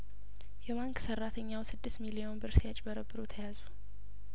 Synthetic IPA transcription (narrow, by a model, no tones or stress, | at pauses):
jɛmaŋksərːat̪ʰəɲːawsɨd̪ːɨst̪milijo̞nbɨɾsjat͡ʃʼbəɾəbːɨɾut̪ʰəjazu